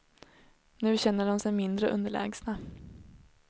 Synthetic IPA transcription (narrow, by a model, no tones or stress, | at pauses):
nʉ̟ːɕɛn̪ːəɖɔmsɛjmɪnd̪ɾəʔɵ̰nd̪əɭɛ̰ːɡsna